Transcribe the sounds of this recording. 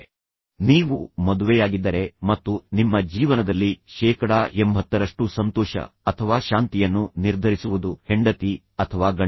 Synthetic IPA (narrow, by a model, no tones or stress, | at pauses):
niːʋumɐd̪uʋɛjaːɡid̪ːɐɾe̞mɐt̪ːunimːɐd͡ʒiːʋɐnɐd̪ɐlːiʃɛːkɐɽaːʔembʱɐt̪ːɐɾɐʂʈusɐnt̪ɔːʃɐ̰ɐt̪ʰɐʋaːʃaːnt̪ijɐnːuniɾd̪ʱɐɾisuʋud̪uheɳɖɐt̪i | ɐt̪ʰɐʋaːɡɐ